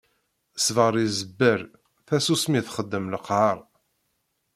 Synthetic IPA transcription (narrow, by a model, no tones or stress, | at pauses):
svəɾˤizəbːəɾ | θæsusmiθχəd̪ːəmləqʕɑɾˤ